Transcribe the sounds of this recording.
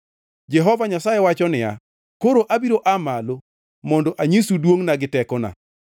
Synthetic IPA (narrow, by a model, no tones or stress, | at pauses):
d͡ʒɛɦɔvaɲasajewat͡ʃɔnɪja̰ | koɾoʔabiɾoʔamalo | mɔndɔʔaɲisudwoŋnaɡɪtɛkɔna̰